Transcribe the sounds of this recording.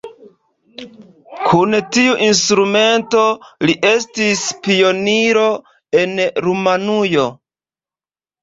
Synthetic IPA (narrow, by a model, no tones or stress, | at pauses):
kʰuntiuʔinstɾume̞nto̞liʔe̞stispio̞niɾo̞ | e̞nɾumanujo̞